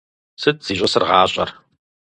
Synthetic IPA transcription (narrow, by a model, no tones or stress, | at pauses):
sɨt̚ʰz̥iːɕʷʼɐsɨrʁɑːɕʼɐ̰r